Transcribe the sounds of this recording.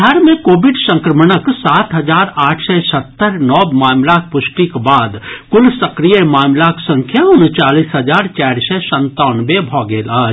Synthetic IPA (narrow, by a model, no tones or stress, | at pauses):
aːɾmẽkoːbɪɖsə̃ŋkɾəmənəksaːt̪ɦɐzaːɾaːʈʰsɛsət̪ːəɾnɔːbmaːmlak̚pʊʃʈikbaːd̪kʊlsəkɾijəmaːmlaksə̃ŋkʰjaʊnt͡ʃaːliːsɦəd͡ʒaːɾt͡ʃaːɾsɛsə̃nt̪aːnbebʱɔːɡeːlaː